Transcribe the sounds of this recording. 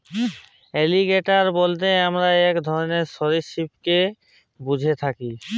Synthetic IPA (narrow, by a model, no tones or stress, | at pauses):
eliɡeʈaɾbolt̪eamɾaɛkd̪ʱɔɾoneɾʃɔɾiʃipke | bud͡ʑʱet̪ʰaki